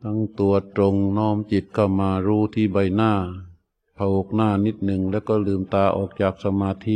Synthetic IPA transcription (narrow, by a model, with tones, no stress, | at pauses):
t̪ʰa˧˥˩ŋt̪u˧˨˩ɐt̪ɾo˧ŋnɔː˧˥˩mt͡ɕi˨˩t̪̚kʰa˧˩wmaː˧ɾuː˧˥˩t̪ʰiː˧˩ba˧˩jnaː˧˩ | pʰa˧wo˧˩k̚naː˧˩ni˦˥t̪̚nɯ˨˩ŋlɛː˦˥˩wkɔː˧˥˩lɯː˧mt̪aː˧ʔɔ̰ː˨˩k̚t͡ɕaː˨˩k̚sa˧maː˧t̪ʰi˧˥